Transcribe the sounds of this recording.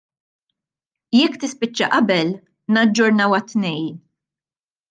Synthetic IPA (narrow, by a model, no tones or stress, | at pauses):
jɛkːt̪ɪspɪt͡ʃːɐʔɐbɛl | nɐd͡ʒːʊɾnɐwɐt̪ːnɛjn